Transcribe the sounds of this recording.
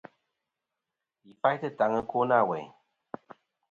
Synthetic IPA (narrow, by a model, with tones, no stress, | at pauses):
ji˨fa˦jtɨ˦˨ta˨˦ŋə˦ko˦na˦˨wɛ̰˨ɲ